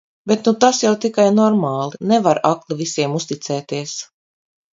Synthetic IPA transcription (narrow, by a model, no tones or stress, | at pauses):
bet̪nut̪asjawt̪ikajnɔɾmaːlˠinevaɾaklˠivisiɛmust̪it̪sɛːt̪iɛs